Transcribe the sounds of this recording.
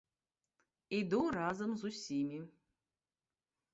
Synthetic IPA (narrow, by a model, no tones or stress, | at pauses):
id̪urazɐmzusʲimʲi